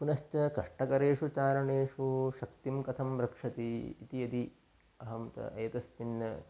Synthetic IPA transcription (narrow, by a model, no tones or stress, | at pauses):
punɐst͡ʃɐkɐʂʈɐkɐɾeːʂut͡ʃaːɾɐɳeːʂuʃɐkt̪imkɐt̪ʰɐmɾɐkʂɐt̪iːt̪ijɐd̪i | ɐɦɐmt̪ɐ̰ʔɐjɐt̪ɐst̪inːɐ